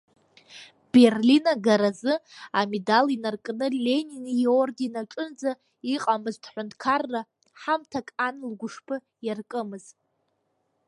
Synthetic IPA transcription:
b̥e̞rlinaɡaɾazɨamedalinarkʼnɨlʲe̞ninijordinaʈ͡ʂʼɨnd͡za | iqʼamɨzdʰħʷʊntʰkʰarːa | ħamtʰakʼanlɡʷʊʂpʰɨ | jarkʼɨmɨz̥

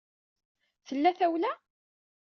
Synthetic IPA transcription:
θəlːæθæwlæ

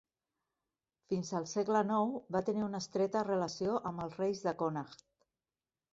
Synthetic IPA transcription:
finzəlˠsɛɡlənɔwbat̪əniunəst̪ɾɛt̪ərələsioʔəməlˠsrejzðəkonaxt̪

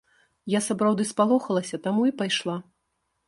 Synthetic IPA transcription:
jasapɾawd̪ɨspalˠɔxɐlˠɐsʲɐt̪amuipajʂlˠa

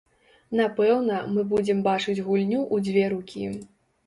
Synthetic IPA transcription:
napɛwnɐmɨbud͡zʲɛmbat͡ʂɨd͡zʲɣulʲnʲuʔud͡zʲvʲɛɾukʲʰḭ

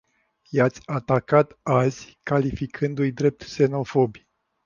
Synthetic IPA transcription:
jat̪sʲat̪akat̪az̥ʲkalifikʰɨnd̪ujd̪ɾe̞p̚t̪se̞no̞fo̞bʲ

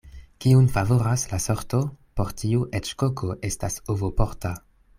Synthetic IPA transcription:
kiunfavoɾaslaso̞ɾto̞po̞ɾtiuʔet͡ʃkokʰoʔe̞stasovopoɾta

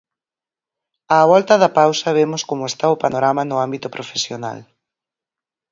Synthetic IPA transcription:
aːβɔlt̪ɐðɐpawsɐβemʊskomʊest̪aʊpanoɾamɐnʊambit̪ʊpɾofesjona̰l

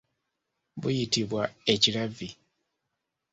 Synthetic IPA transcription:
bujitiβwae̞cilavi

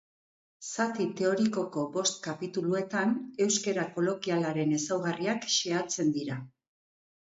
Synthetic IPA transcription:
sat̪it̪e̞o̞ɾiko̞ko̞bo̞st̪̚kapit̪ulue̞t̪ane̞wske̞ɾako̞lo̞kialaɾe̞ne̞sawɣariakʃe̞at͡se̞nd̪iɾa

